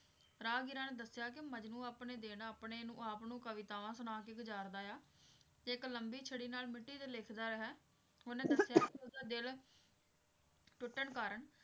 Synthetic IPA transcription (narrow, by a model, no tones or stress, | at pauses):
ɾaːɡɪɾãːneːd̪əsːɪjaːk̬ɪməd͡ʒnũːaːpɳeːd̪eːnaːpɳeːnũːaːpnũːkəʋɪt̪aːʋãːsənaːkeːɡəd͡ʒaːɾd̪aːjaː | eɪkləmbiːt͡ʃʰəɽiːnaːlmɪʈːiːt̪eleːkʰd̪aːɾəɦɛː | oːnẽːd̪əɪjaːkɪʊsd̪aːd̪ɪl | ʈʊʈːəɳkaːɾəɳ